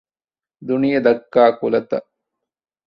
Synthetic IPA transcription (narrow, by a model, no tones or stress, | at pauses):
d̪unijɐd̪ɐkːaːkulɐt̪ɐ̰